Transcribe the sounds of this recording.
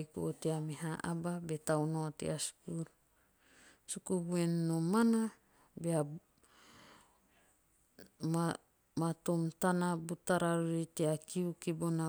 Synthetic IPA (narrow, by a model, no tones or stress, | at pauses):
jkooteameɦaʔababe̞tawnoatḛasu̥kuɾ | sukubue̞nːo̞mana | bea | ma | matomtanabutaɾaɾuɾiteakiukibona